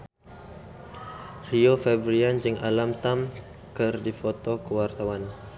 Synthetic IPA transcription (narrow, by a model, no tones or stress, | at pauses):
riofɛbɾiand͡ʒəŋʔalamt̪am | kərdifot̪okəwart̪awan